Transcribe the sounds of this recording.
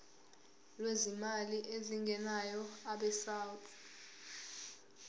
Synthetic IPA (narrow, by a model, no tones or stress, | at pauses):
lwezimaliʔeziŋɡʱɛnajɔaɓɛsaːwtʰʼ